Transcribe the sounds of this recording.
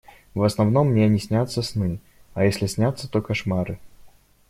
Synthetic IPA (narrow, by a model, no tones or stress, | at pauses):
vɐsnɐvnɔmːnʲenʲɪsʲnʲat̪sːəsnɨ | ɐjesʲlʲɪsʲnʲat̪sːət̪ɔkɐʂmaɾɨ